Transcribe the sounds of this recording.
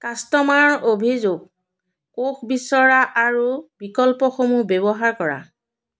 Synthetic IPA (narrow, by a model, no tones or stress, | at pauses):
kastɔmaɹobʱizoɡ | koxʰbisɔɹaʔaɹubikɔlpɔxomubebɔɦaɹkɔɹa̰